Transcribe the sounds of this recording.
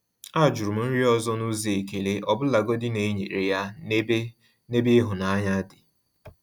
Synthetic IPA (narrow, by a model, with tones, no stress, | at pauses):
a˦˨d͡ʒu˨ɾʊ˨m̩˨˦n̩˦ɾi˦ɔ˦zɔ˦nu˦ze˨e˨ke˨le˦ʔɔ˨bʊ˦la˨ɡo˦dɪ˦ne˨˦ɲḛ˨ɾe˨ja˦ | ne˦be˦ɦʊ˨na˨˦ɲa˦dɪ˨